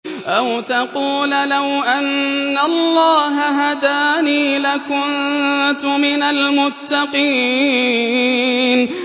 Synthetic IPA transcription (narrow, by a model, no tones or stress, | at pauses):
ʔawt̪aquːllawʔanːalːɑːɦaɦad̪aːniːlakʊnt̪ʊmɪnalmʊt̪ːɑqiː | n